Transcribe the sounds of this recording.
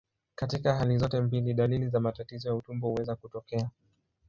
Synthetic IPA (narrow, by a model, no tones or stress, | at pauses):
katikaɦalizɔtɛmbiliɗalilizamatatizɔjautumbɔhuwɛzakutɔkɛa